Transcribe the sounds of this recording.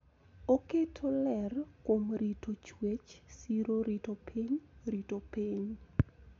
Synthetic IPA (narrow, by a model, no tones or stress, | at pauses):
oketʰolɛrkomɾitʰot͡ʃwet͡ʃsiɾoɾitopʰiɲritopiɲ